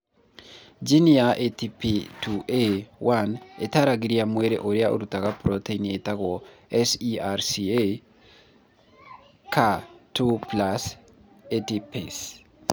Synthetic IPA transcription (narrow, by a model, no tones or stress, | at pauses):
d͡ʒiniaʔetipituʔewʔanḛtaɾaɡiɾiamweɾeʔoɾjaʔo̰ɾutakapɾɔteinetakɔɛsiaɾsie | kʰatuplas | etipes